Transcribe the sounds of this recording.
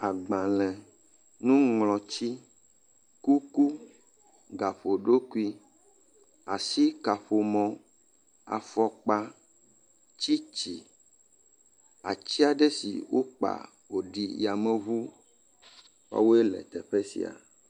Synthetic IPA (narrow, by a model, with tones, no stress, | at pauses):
a˨ɡ͡bã˨lɛ̃˨ | nũ˦ŋlɔ̃˨t͡ɕi˦ | ku˦ku˦ | ɡa˨ɸo˨ɖo˦ku˦i˦ | a˨si˦ka˨ɸo˨mɔ̃˨ | a̰˨fɔ˨k͡pa˦ | t͡ɕi˦t͡ɕi˨ | a̰˨t͡ɕi˦a˨ɖe˦sḭ˨wo˦k͡pa̰˨ | wo˨ɖi˨ja˨mɛ̃˦βu˦ | wa̰˦wo˦e˦lɛ̰˨t̪ɛ̰˨ɸɛ˦sḭ˨a̰˨